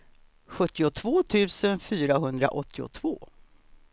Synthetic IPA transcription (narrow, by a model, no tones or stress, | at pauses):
ɧɵt̪ːɪʊt̪ʰvoːt̪ʰʉ̟ːsənfyːɾaɦɵnd̪ɾa̰ʔɔt̪ːɪʊ̰t̪ʰv̥o̰ː